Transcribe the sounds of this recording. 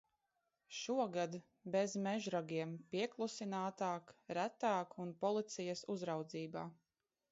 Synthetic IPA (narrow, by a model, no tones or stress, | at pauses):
ʃuɔɡad̪ | bezmɛʒɾaɡiɛmpiɛklˠusinaːt̪aːkɾæt̪aːkunpɔlˠit̪sijɐsuzɾawd̪ziːbaː